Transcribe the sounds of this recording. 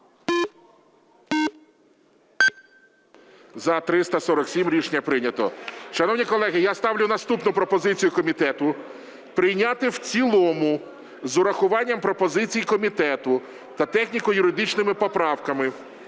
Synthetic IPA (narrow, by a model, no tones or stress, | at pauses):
zɐt̪ɾɪst̪ɐsɔɾɔksʲimɾʲiʃnʲːɐpɾɪnʲɐt̪ɔʃɐnɔwnʲikɔlˠɛɦɪjast̪ɑwlʲʊnɐst̪upnʊpɾɔpɔzɪt͡sʲijʊkɔmʲit̪ɛt̪ʊ | pɾɪjnʲat̪ɪwt͡sʲilˠɔmʊ | zʊɾɐxʊʋɑnʲːɐmpɾɔpɔzɪt͡sʲijikɔmʲit̪ɛt̪ʊ | t̪ɐt̪ɛxnʲikʊjʊɾɪd̪ɪt͡ʃnɪmɪpɔpɾɑwkɐmɪ